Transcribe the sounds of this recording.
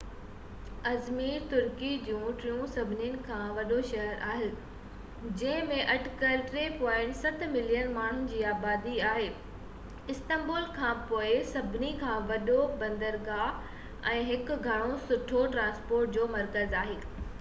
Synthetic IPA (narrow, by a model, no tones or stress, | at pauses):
ɐzmiːɾt̪ʊɾkid͡ʑũːʈɾijũsɐbʱɪnijʊnɪ̆kʰãːʋɐɗoʃɐɦəɾʔaːɦɪlɪ | d͡ʑɐ̃ɦɪ̃mẽʔɐʈkəlʈɾeːpɔ̃ːɪ̃ɳʈsɐt̪mɪlijənmaːɳ̤ʊnɪ̆d͡ʑiːaːbaːd̪iaːɦeː | ɪst̪ə̃mboːlkʰãːpoːɪsɐbʱɪnikʰãːʋɐɗobɐ̃nd̪əɾɡaː | ɛ̃ːɦɪkʊɡʱɐɽ̃osʊʈʰoʈɾãːnspoːɾʈ̚d͡ʑoːmɐɾkəzaːɦeː